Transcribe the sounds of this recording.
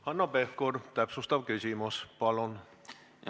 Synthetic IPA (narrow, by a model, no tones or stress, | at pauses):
hɑnːopefkort̪æpsust̪ɑʋkysimospɑlon